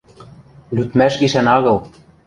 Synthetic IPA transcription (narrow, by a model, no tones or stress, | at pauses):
lyt̪mæʃɣiʃænɑɣɤ̆lˠ